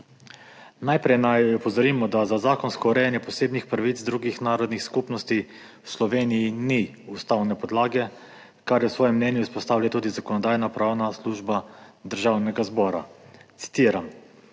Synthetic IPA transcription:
najpɾɛjnajɔpɔzɔɾimɔd̪azazaːkɔnskɔuɾɛjanjɛpɔseːbnixpɾaʋit̪sd̪ɾuːɡixnaːɾɔd̪nixskupnɔst̪i | wslɔʋeːnijini | ust̪awnɛpɔd̪laːɡɛ | kaɾjɛwsʋɔːjɛmːnɛːnjuispɔst̪aːwlʲjat̪uːd̪izakɔnɔd̪aːjnapɾawnasluːʒbad̪əɾʒawnɛɡazbɔːɾat̪si̥t̪iːɾam

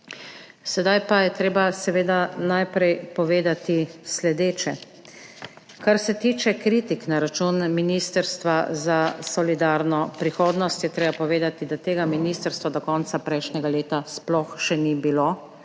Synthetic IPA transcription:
sɛd̪ajpajɛt̪ɾeːbasɛʋeːd̪anajpɾɛjpɔʋeːd̪at̪islɛd̪eːt͡ʃɛ | kaɾsɛt̪iːt͡ʃɛkɾit̪iknaɾat͡ʃunminist̪əɾst̪ʋazasɔlid̪aɾnɔpɾixoːd̪nɔst̪jɛt̪ɾeːbapɔʋeːd̪at̪id̪at̪eːɡaminist̪əɾst̪ʋɔd̪ɔkɔntsapɾɛjʃnɛɡaleːt̪asplɔxʃɛnibiloː

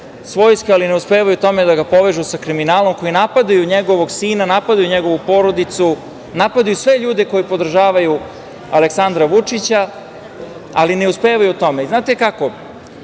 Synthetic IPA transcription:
sʋo̞ːjskealineuspeːʋajut̪o̞med̪aɡapo̞ʋe̞ʒusakɾiminaːlo̞mko̞jinapad̪ajuɲeɡo̞ʋo̞ɡsiːnanapad̪ajuɲeɡo̞ʋupo̞ɾod̪it̪su | napad̪ajusʋe̞ʎuːd̪e̞ko̞jipo̞d̪r̩ʒaːʋaju | aleksand̪ɾaʋut͡ʂit͡ɕa | aline̞uspeːʋajut̪o̞meiznaːt̪e̞kako̞

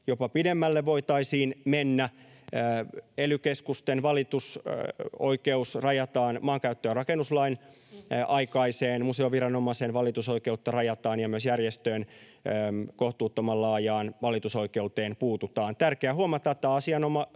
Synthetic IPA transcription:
jopɑpidemːælːeʋoit̪ɑisiːnmenːæː | elykeskust̪enʋɑlit̪us | oikeusrɑjɑt̪ɑːnmɑːŋkæyt̪ːøːrɑkenːuslɑin | ɑikɑiseːnmuseoʋiɾɑnomɑisenʋɑlit̪uso̞ikeut̪ːɑrɑjɑt̪ɑːnjɑmyøsjærjest̪øːn | koht̪uːt̪ːomɑlːɑːjɑːnʋɑlit̪uso̞ikeut̪eːnpuːt̪ut̪ɑːnt̪ærkeæɦuɑmɑt̪ɑt̪ːæɑsiɑnomɑ

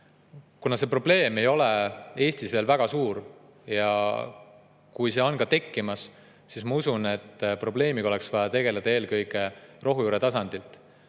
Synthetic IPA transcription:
kunɑse̞pro̞ble̞ːme̞jo̞lee̞ːsʲt̪isve̞ːlvæɡ̥ɑsuːɾ | jɑ̰ | kujse̞o̞nkɑt̪e̞kːimɑs | sismɑusune̞t̪ːpro̞ble̞ːmiɡo̞le̞ksvɑjɑt̪e̞ɡ̥e̞led̪̥ɑe̞ːlkɤjɡe̞ro̞ɦujuːɾe̞t̪ɑsɑnd̪̥ilt̪ˑ

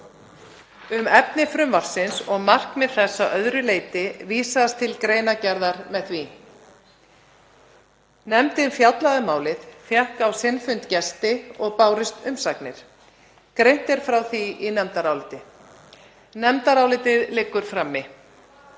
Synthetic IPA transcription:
ʏmɛpnɪfɾʏmvafsɪnsɔɣmar̥kmɛðθɛsːaʔœðɾʏleːjt̪ɪviːsast̪ʰɪlkɾeːjnacɛɾðaɾmɛðθvi | nɛmt̪ɪnfjawt̪laɣamaːwlɪðfjahkawsɪnfʏnt̪cɛst̪ɪɔɣpaːwɾɪst̪ʏmsaknɪɾ̥ | kɾejn̥t̪ɛɾ̥fɾawθiinɛmt̪aɾaːwlɪt̪ɪ | nɛmt̪aɾaːwlɪt̪ɪðlɪːkːʏɾ̥fɾamːɪ

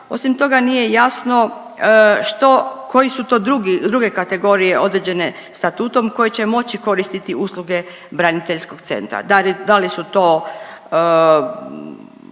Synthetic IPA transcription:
o̞̰simt̪o̞ɡanije̞jasno̞ | ʃt̪o̞kʰo̞jisut̪o̞ːd̪ɾuɡid̪ɾuɡe̞kat̪e̞ɡo̞ɾije̞ʔo̞d̪ɾed͡ʑe̞ne̞ | st̪at̪uːt̪o̞mko̞jet͡ɕe̞mo̞t͡ɕiko̞ɾist̪it̪iuslˠuɡe̞ | bɾanit̪e̞ʎsko̞kt̪se̞̰nt̪ɾa̰d̪alid̪alisut̪o̞ː | ə

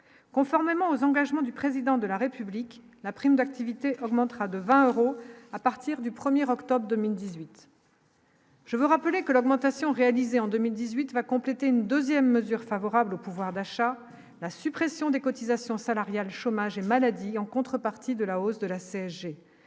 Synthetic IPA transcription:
kɔ̃fɔʁmemɑ̃ozɑ̃ɡaʒmɑ̃d̪ypχezid̪ɑ̃d̪əlaʁepyblik | lapχimd̪ak̚t̪ivit̪eʔɔɡmɑ̃t̪χad̪əvɛ̃øʁoapaʁt̪iʁd̪ypχəmjɛʁɔkt̪ɔbʁd̪əmild̪izɥit̪ | ʒ̥əvuʁapəlekəlɔɡmɑ̃t̪asjɔ̃ʁealizeɑ̃d̪ømild̪izɥit̪vakɔ̃plet̪eynd̪øzjɛmːəzyʁfavɔʁablopuvwaʁd̪aʃa | lasypχesjɔ̃d̪ekɔt̪izasjɔ̃salaʁjalʃomaʒemalad̪iɑ̃kɔ̃t̪χəpaʁt̪ʰid̪əlaosd̪əlaseɛsʒe

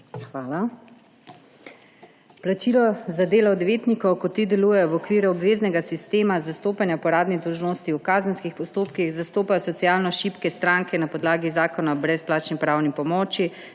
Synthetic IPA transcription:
xʋaːla | plat͡ʃiːlɔzad̪eːlɔːd̪ʋeːt̪nikɔwkɔt̪ːid̪ɛluːjɛjɔwɔkʋiːɾjuɔbʋeːznɛɡasist̪eːmazast̪oːpanjapɔɾaːd̪nid̪ɔwʒnost̪iukaːzənskixpɔst̪oːpkixzast̪oːpajɔsɔt̪sijalnɔʃiːpkɛst̪ɾaŋkɛnapɔd̪laːɡizaːkɔnabɾɛsplaːt͡ʃnipɾaːwnipɔmɔːt͡ʃi

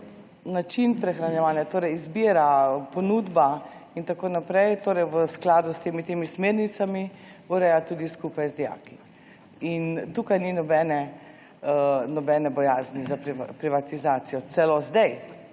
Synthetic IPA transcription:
nat͡ʃinpɾɛxɾanjɛʋaːnjat̪oːɾɛjizbiːɾapɔnuːd̪baint̪akoːnapɾɛjt̪oːɾɛjʋəsklaːd̪ust̪eːmit̪eːmismeːɾnit̪samiuɾɛːjat̪uːd̪iskuːpajzd̪ɛja̰ːki̥ | int̪ukajninɔbɛnɛ | nɔbɛnɛbɔjaːznizapɾpɾiʋat̪izaːt̪sijɔt̪sɛlozd̪ɛj

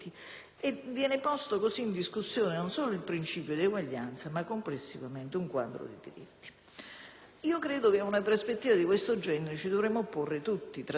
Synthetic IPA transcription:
i | evːjɛːnɪpɔst̪okosiːnd̪iskusːjɔːnenonsɔːloilpɾint͡ʃiːpjod̪ieɡwaʎːa̰nt̪samakːomplesːivament̪ɪuŋkwa̰d̪ɾo̰d̪ḭd̪ḭɾḭt̪ːi̥ | iːokɾɛːd̪okeaunaperspet̪ːiːvad̪ikwest̪od͡ʒɛneɾet͡ʃid̪ovɾɛmːoporːɪt̪ut̪ːit̪ɾ

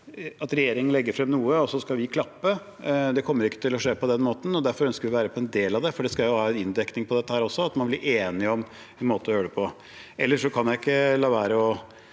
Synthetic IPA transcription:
ɑt̪ɾɛjeːɾɪŋənlɛɡːəɾfɾɛmːnuːəɔsɔskɑlʋɪkʰlɑpːə | d̪ɛkʰɔmːəɾɪkːət̪ɪlɔʂeːpɔd̪ɛnmoːt̪n̩ɔd̪æɾfɔɾœnskəɾʋɪʋæːɾəpʰɔɛnd̪eːlɑʋd̪ɛfɔɖɛskɑjʊhɑːɛnɪnd̪ɛknɪŋpʰɔd̪ɛt̪ːəhæːɾɔsːɔɑt̪mɑnblɪɾʔeːnɪɔm | ɛnmoːt̪əɔjøːɖəpʰɔ | ɛlːəʂɔkʰɑnjæɪɪkːəlɑːʋæːɾəɔ

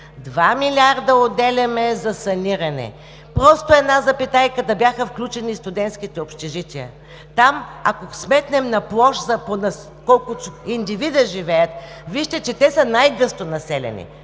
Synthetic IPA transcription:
d̪vamilʲaɾd̪əod̪ɛlʲɐmɛzɐsɐniɾɐnɛ̰ | pɾɔst̪oɛdnazɐpit̪ajkət̪əbjaxəfklʲut͡ʃɛnist̪ʊd̪ɛnt̪sk̟it̪ɛopʃt̪ɛʒit̪ʲiə̰ | t̪amɐ̰kosmɛt̪nɛmnɐplˠɔʃzɐponɐ | kɔlˠkʊt̪oind̪ivid̪əʒivɛjət̪ | viʃt̪ɛt͡ʃɛt̪ɛsɐnajɡɤst̪onɐsɛlʲɛ̰nʲḭ

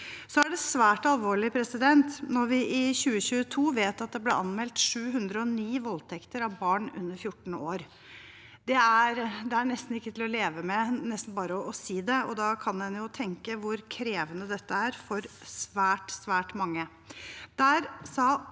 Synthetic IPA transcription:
sɔæɖɛsʋæːʈɑlʋoːɭɪpʰɾɛsɪd̪ɛnt̪nɔɾʋɪʔɪɕʉːəɕʉːət̪ʰuːʋeːt̪ɑt̪̚d̪ɛblɛ̰ʔɑnmɛlt̪ʂʉːɦʉnd̪ɾəɔniːʋɔlt̪ʰɛkt̪əɾɑʋbɑːɳʉ̰nːəɾfjʊʈːɳ̩oːɾ | d̪̥ɛæɾd̪ɛæɳɛst̪n̩ɪkːət̪ʰɪlɔleːʋəmɛnɛst̪n̩bɑːɾəɔɔsiːd̪ɛɔd̪ɑkʰɑnd̪ɛnjʊt̪ʰɛŋkəʋʊɾkʰɾeːʋənəd̪ɛt̪ːəæɾfɔɾsʋæːʈsʋæːʈmɑŋːə | d̪̥æːɾsɑː

